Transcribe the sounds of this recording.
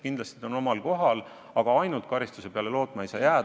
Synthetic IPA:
kind̪lɑst̪io̞no̞mɑlko̞ɦɑl | ɑɡɑɑjnult̪̚kɑɾist̪use̞peɑle̞lo̞ːt̪mɑe̞jsɑ̰ːjæː

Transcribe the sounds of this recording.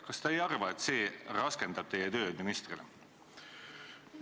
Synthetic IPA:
kɑst̪ɑejɑrvɑet̪se̞ːrɑske̞nd̪ɑb̥̚t̪e̞jet̪ø̞ːd̪̥minist̪rilḛ

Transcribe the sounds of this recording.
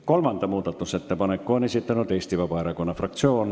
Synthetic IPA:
kolmɑnt̪ɑmuːt̪ɑt̪ːuset̪ːepɑnekːoɑnesit̪ːenot̪eːst̪iʋɑpɑerɑkonːɑfrɑkt̪sioːn

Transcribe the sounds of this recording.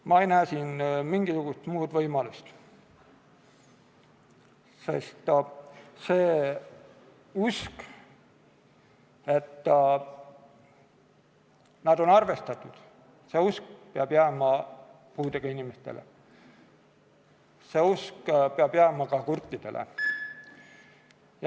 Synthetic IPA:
mɑejnæːsiːnmiŋɡ̥isuɡ̥ust̪muːd̪vɤjmɑlust̪ | se̞̰st̪ | seː | usk | e̞t̪ː | nɑd̪̥o̞nɑrve̞st̪ɑt̪ːˑud̪̥ | se̞usk̚peɑb̥jæːmɑ | puːd̪eɡ̥ɑinimest̪e̞̰lʔḛ | se̞uskpeɑbjæːmɑkɑkurt̪ːˑid̪̥e̞̰lʔḛ | j

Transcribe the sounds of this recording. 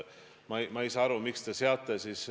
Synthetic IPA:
mɑjmɑejsɑɑɾumikst̪eseɑt̪ːˑesis

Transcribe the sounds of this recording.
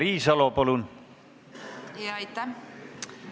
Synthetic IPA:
ɾiːsɑlopolun | jɑjt̪ːæ

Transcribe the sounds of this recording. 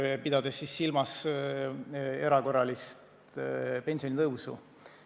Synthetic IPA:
pid̪ɑd̪̥esːisːilmɑs | e̞ɾɑko̞rːɑlist̪ | pe̞nsijonʲit̪ɤwsṵ

